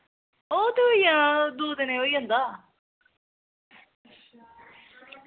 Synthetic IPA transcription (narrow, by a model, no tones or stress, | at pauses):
oːt̪eoijãːd̪uːd̪nẽːoːiːãːnd̪aː